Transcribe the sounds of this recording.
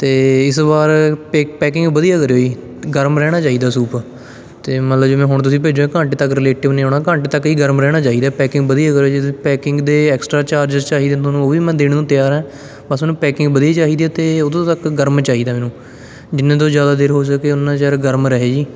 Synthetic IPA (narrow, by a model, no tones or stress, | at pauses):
t̪eːɪsbaːɾpepɛːkɪ̃ŋɡbəd̪ijaːkəɾoːiː | ɡəɾmɾɛːɽ̃aːt͡ʃaːiːd̪aːsuːp | t̪eːmət̪ləbd͡ʒoːmɛ̃ːɦʊɳt̪ʊsĩːpeːd͡ʒoːẽːkãːɳʈet̪əkɾɪleːʈɪʋnẽːõːɳaːkãːɳʈːt̪əkiːɡəɾmɾɛːɽ̃aːt͡ʃaːɦiːd̪aːpɛːkɪ̃ŋɡbəd̪ijaːkəɾod͡ʒɪpɛːkɪ̃ŋɡd̪eːɛːksʈɾaːt͡ʃaːɾd͡ʒəzt͡ʃaːɦiːd̪ẽːt̪ʰoːnũːoːʋiːmɛ̃ːd̪eːɽ̃ːũːt̪ɪjaːɾɛ̃ː | bəsmɛːnũːpɛːkɪ̃ŋɡbəd̪ijaːt͡ʃaːɦiːd̪iɛːt̪eːod̪õːt̪əkɡəɾmt͡ʃaːɦiːd̪aːmɛ̃ːnũː | d͡ʒɪnːẽːt̪̬õːzjaːd̪aːd̪eːɾɦoːs̬əkeːʊnːãːt͡ʃaːɾɡəɾmɾəɦeːd͡ʒiː